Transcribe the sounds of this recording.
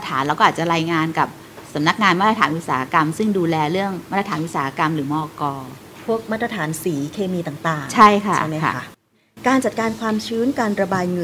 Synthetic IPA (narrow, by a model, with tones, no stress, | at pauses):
t̪ʰaː˩˦nlːwkɔː˥ʔaː˨˩t̪̚t͡ɕa˨˩ɾaː˧jŋaː˧nka˨˩p̚ | sa˩˦mna˦˥k̚ŋaː˧nmaː˦˥t̪ɾa˧t̪ʰaː˩˦nʔu˦˥t̪̚sa̰ː˩˦a˦˧˥ka˧msɯ˥˩ŋduː˧lɛː˧ɾɯ˥˩əŋma˥t̪ɾa˧t̪ʰːnʔu˦˥t̪̚saː˩˦a˦˧ka˧mɾɯː˩˦mɔː˧kɔː˧ | pʰu˥˩ək̚maː˦˥t̪̚ɾa˧t̪ʰaː˩˦nsiː˩˦kʰeː˧miː˧t̪aː˨˩ŋt̪aː˨˩ŋt͡ɕʰa˥˩jkʰa˥t͡ɕa˩˥˩ma̰˦˥a˦˥ | kaː˧nt͡ɕa˨˩t̪̚kaː˧nkʰwaː˧mt͡ɕʰɯː˦˥nkaː˧nɾa˧baː˧jŋɤ˧